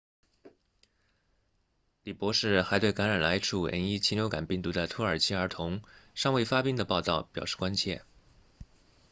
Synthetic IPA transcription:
li˨˩pwɔ˧˥ʂɻ̩˥˩xa˧˥ɪt̪we˥˩ɪka˧˥nɻa˨˩nla˧˥ɪʈ͡ʂʰu˥˩ə̰˧˥ni˥t͡ɕʰi˥njo˧˥ʊka̰˨˩npi˥˩ŋt̪u˧˥d̪ə˧t̪ʰu˧˥ə˞˨˩t͡ɕʰi˥ə˞˧˥t̪ʰʊ˧˥ŋʂɑ˥˧ŋwe˥˩ɪfa˥pi˥ŋd̪ə˨pɑ˥˧ʊt̪ɑ˥˩ʊpjɑ˨˩ʊʂɻ̩˥˩kwa˥nt͡ɕʰjɛ̰˥˩

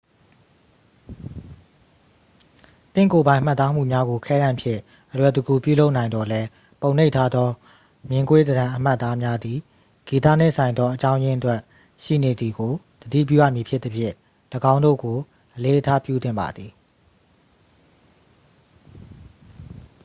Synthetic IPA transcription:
t̪ɪ̰̃˦˨ko˨bã˦ɪ̃m̥a˦t̪ːa˦m̥ṵ˦˨mja˦ɡo˨kʰɛ˦ɾã˨mpʰjɪ̰̃˦˨ | ʔəlwɛ˨t̪u˨ɡu˨pjṵ˦˨lo˦ʊʔnã˨ɪnd̪ɔ˨lɛ˦ | põ˨ʊ̃n̥e˦ɪʔtʰa˦d̪ðɔ˦ | mjɪ̃˦ŋkwe˦d̪əɾã˨ʔəm̥a˦ʔt̪ːa˦mja˦d̪i˨ | ɡ̥i˨t̪ä̰˦˨n̥ɪ̰̃˦˨sʰã˨ɪ̃nd̪ɔ˦ʔət͡ɕã˦ʊ̃jɪ̃˦ʔətwɛ˦˨ʔ | ʃḭ˦˨ne˨d̪i˨ɡo˨ | d̪̥ədḭ˦˨pjṵ˦˨jä̰˦˨mji˨pʰjɪ˦t̪̚ə˦pʰjɪ̰̃˦˨ | lə˨ɡã˦ʊ̃ndo̰˦˨ɡo˨ | ʔəle˦ʔətʰa˦pjṵ˦˨t̪ɪ̃˦˨mba̰˨d̪ði˨

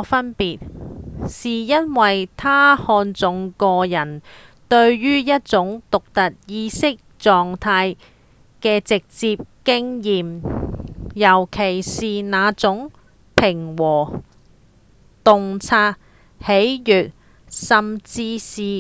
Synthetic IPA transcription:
fɐ˥npiː˨t̚siː˨jɐ˥nwɐ˨jt̪ʰaː˥hɔː˧nt͡sʊ˨˥ŋkɔː˧jɐ˨˩n | t̪ɵ˧ɥːyː˥jɐ˥t̚t͡sʊ˨˥ŋt̪ʊ˨k̚t̪ɐ˨t̚jiː˧sɪ˥k̚t͡ʃɔː˨ŋt̪ʰaː˧j | kɛː˧t͡sɪ˨k̚t͡siː˧p̚kɪ˥ŋjiː˨m | jɐ˨˩wkʰe˨˩jsiː˨naː˨˧t͡sʊ˨˥ŋ | pʰɪ˨˩ŋwɔː˨˩ | t̪ʊ˨ŋt͡sʰaː˧˥t̚ | he˨˥jjyː˨˩t̚ | sɐ˨mt͡siː˧siː˨˩

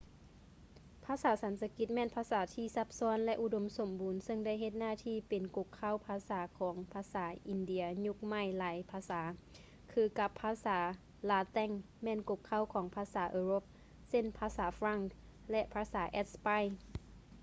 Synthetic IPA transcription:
pʰaː˧˥˧saː˩˦sa˨˩˦nsa˧ki˧˦t̪̚mɛː˧˥˨npʰaː˧˥saː˩˦t̪ʰiː˧˨sa˧˦p̚sɔː˧˥ə˨nlɛ˧ʔu˧do˨˧˦mso˨˩˦mbuː˨˦nsɤ˧˨ŋda˧˥˨jɦe˧t̪̚naː˧˥˩t̪ʰiː˧˩˨pe˨nko˧˥kʰːa˧˥˨wpʰaː˧saː˩˦kʰɔː˩˦ŋpʰaː˧˥saː˩˦ʔi˨˧˨ndi˧˦ɐɲu˧˦k̚ma˧˩˨jlaː˨˦jpʰaː˧˥saː˩˦ | kʰɯː˧ka˧pʰːaː˧˥saː˩˦ | laː˧t̪ɛ˧˥˨ŋ | mɛː˧˥˨nko˧˥kʰːa˧˥˨wkʰɔː˩˦ŋpʰaː˧saː˩˦ʔɤː˧ɾo˧˦p̚ | se˧˥˨npʰaː˧saː˩˦fɾa˧˩ŋk | lɛ˧ʔpʰaː˧saː˩˦ʔɛ˧˥t̪̚spa˧˥˨j

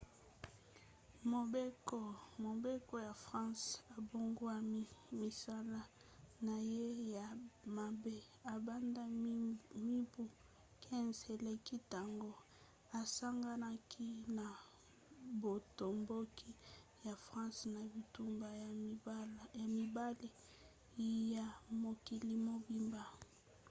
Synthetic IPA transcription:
mo˨be˦ko˨mo˨be˦ko˦ja˨fʁã˦sa˨bo˦ŋɡo˦a˦mi˨sa˦la˦ | na˨je˦ja˨ma˨be˦ | a˨ba˦nda˦ | mi˦bu˦ | kʰɛ̃˦nze˨le˨ki˦ta˨ŋɡo˦ | a˨sa˦ŋɡa˦na˦kʰi˦na˨ | bo˨to˨mbo˦kʰi˦ja˨fʁã˦sna˨bi˨tu˦mba˨˦ | a˨mi˨ba˦li˨ | ja˨mo˨ki˨li˨mo˨bi˦mba˨

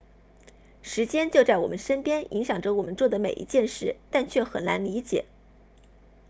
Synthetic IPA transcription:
ʂɻ̩˧˥t͡ɕjɛ˥nt͡ɕjo˥˧ʊt͡sa˥˩ɪwɔ˨˩mʔə˦nʂə˥npjɛ˥nḭ˧˥ŋɕjɑ˨˩ŋʈ͡ʂə˧˦wɔ˨˩mə˦nt͡swɔ˥˩d̪ə˩me˨˩ɪʔḭ˧˥t͡ɕjɛ˥˧nʂɻ̩˥˩t̪a˥˧nt͡ɕʰɥɛ˥˩xə˨˩na̰˧˥nli˧˥t͡ɕjɛ̰˨˩˦

